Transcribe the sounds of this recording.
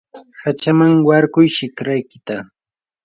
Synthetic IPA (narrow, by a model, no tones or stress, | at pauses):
hat͡ʃamaŋwaɾkʊjʃɪkɾajkɪt̪a